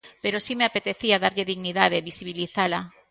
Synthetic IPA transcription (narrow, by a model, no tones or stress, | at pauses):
peɾosimeapet̪eθiaðaɾʎeðiɣniðað̞eβisiβiliθala